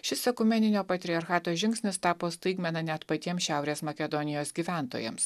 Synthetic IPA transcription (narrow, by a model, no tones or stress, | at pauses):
ʃʲɪsʲɛkʊmʲɛnʲɪnʲoːpɐt̪ʲɾʲɪɐɾxɑːt̪oːʒʲɪŋʲksʲnʲɪst̪ɑːpoːst̪ɐɪɡmʲɛnɐnʲɛt̪pɐt̪ʲiɛmʃʲæˑʊɾʲeːsmɐkʲɛd̪ɔnʲɪjoːsɡʲiːʋʲæˑnt̪o̰ːjɛ̰ms